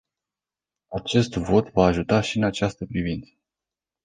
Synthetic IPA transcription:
at͡ʃe̞st̪vo̞t̪vaːʒut̪aʃiɨnat͡ʃast̪əpɾivint̪sə̥

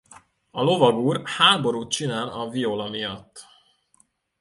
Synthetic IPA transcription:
ɒlo̞vɒɡuːrhaːbo̞ɾuːt̪̚t͡ʃinaːlɒviolɒmijɒt̪ː

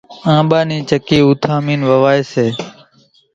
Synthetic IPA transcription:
ãːɓaːnĩːt͡ʃəkiːuːt̪ʰãːmiːnʋəʋaːeːseː

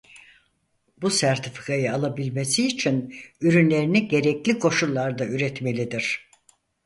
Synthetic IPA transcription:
busæɾt̪ʰifi̥kʰajɯalˠabilʲmesiːt͡ʃʰinyɾynlʲe̞ɾiniɟe̞ɾɛclʲikʰo̞ʃulˠːaɾd̪ayɾɛt̪me̞lʲid̪iɾ̥

